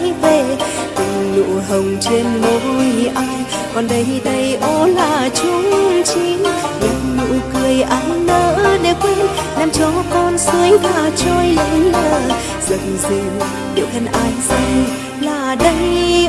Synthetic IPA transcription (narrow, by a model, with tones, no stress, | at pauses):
jve˨˩ | tɨ˨˩lṵ˧˨ɦə˨˩wŋ͡mt͡ɕe˧nmo˨˦t̚u˧jʔaː˧j | kɔ˨˩nɗə˨˦jɗə˧jʔo˨˧˦laː˨˩t͡ɕu˧˦ŋt͡ɕi˨˦ŋ | mo˨˩˦mṵ˧˥kɨ˨˩əjʔaː˨˦wnəː˨˦ɗe˧˩kwe˧nlaː˧˩mt͡ɕɔ˨˧˦kɔ˧nsɨ˨˦əŋvaː˨˩t͡ɕɔ˧jlləː˧˩ | zə˨˩ŋze˧˩ | ɗḭ˧˨əwkə˧nʔaː˨˧jsa˧ŋ | laː˨˩ɗə˧j